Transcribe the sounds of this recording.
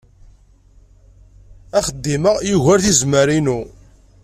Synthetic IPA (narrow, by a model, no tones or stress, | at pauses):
æχəd̪ːiməjuʝæɾθizməɾinu